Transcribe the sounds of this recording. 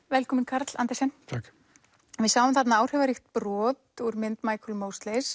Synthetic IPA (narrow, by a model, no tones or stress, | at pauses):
vɛlkʰɔmɪnkʰaɾt̪la̰nt̪ɛsɛnt̪ʰak | vɪðsaːwʏmθat̪naaːwr̥ɛvaɾixt̪pɾɔːt̪uɾmɪnt̪maːjkʰɔlmowst̪lɛs